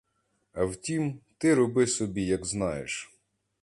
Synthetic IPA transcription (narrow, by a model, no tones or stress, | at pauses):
ɐwtʲimt̪ɪɾɔbɪsɔbʲijɐɡznɑjḛʃ